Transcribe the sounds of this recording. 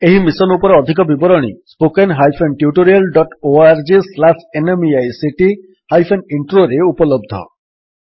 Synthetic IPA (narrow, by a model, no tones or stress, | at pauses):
eɦimisɔnupɔɾeɔd̪ʱik̬ɔbibɔɾɔɽ̃ḭspokenɦajpʰenʈjuʈoɾialɖɔʈoaɾd͡ʒislasenemiajsiʈi | hajpʰeniɳʈɾoɾeupɔlɔb̚d̪ʱɔ̰